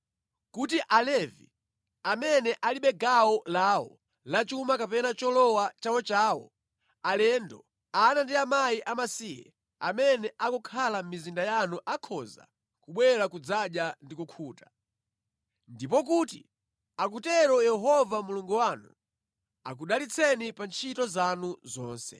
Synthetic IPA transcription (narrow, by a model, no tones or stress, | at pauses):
kutiʔalɛvḭ | amɛnɛʔaliɓɛɡawɔlaːwɔ̰ | lat͡ʃumakapɛnat͡ʃɔlɔwat͡ʃawɔt͡ʃaːwɔ̰ | alɛndɔ̰ | anandiamajiʔamasijɛ̰ | amɛnɛʔakɔkʰalam̩mizindajanuʔakʰɔza̰ | kuɓwɛɾakud͡zaɗjandikukʰuːtḁ | ndip̬ɔk̬utḭ | akutɛɾɔjɛɦɔvamuluŋɡuwanu | a̰k̬uɗalit͡sʰɛnipant͡ʃʰitɔzanuzɔːnsɛ̰